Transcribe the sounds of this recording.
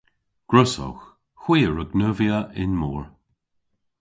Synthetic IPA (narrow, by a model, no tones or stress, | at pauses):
ɡ̥ɹʊsɔ̰x | xwiːəɹəɡnəviəʔɪnmuːɹ